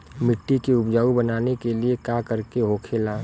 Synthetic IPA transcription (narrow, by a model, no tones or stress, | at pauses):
mɪʈːikiʊpd͡ʒaːubɐnaːnekeliekakəɾkeɦoːkʰeːlaː